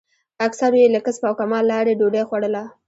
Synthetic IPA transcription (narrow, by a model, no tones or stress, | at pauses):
aksaɾojelakəspawkamɑlːɑɾeɖoɖaxwaɽəla